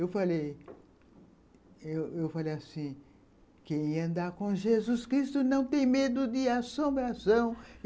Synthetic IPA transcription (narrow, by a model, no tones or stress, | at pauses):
ewfalej | ewewfalejasĩ | kẽj̃ɐ̃nd̪aɾkõʒezuskɾist̪ʊnɐ̃w̃t̪ẽj̃med̪ʊd̪ɪasõmbɾasɐ̃w̃